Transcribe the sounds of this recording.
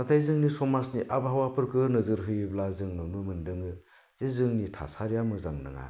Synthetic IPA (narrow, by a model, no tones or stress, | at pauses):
natʰajzɯŋnisɔmasniʔabɦawapʰɯɾkʰɯnɯzɯɾɦɯjblazɯŋnɯnumɯndɯŋɯ | z̥ezɯŋnitʰa̰saɾjamɯzaŋnɯ̰ŋa̰